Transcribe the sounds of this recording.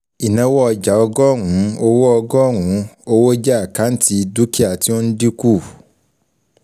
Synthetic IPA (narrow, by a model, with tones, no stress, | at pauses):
i˨nã˨˦wɔ˦ɔ˧d͡ʒa˨ɔ˧ɡɔ˦˨ŋũ˨˦o˧wo˦ɔ˧ɡɔ˦˨ŋũ˨˦o˧wo˦d͡ʒa˦a˨ka˨˦n̩˦ti˧du˦ki˦a˨ti˦o˦n̩˦di˦ku˦˨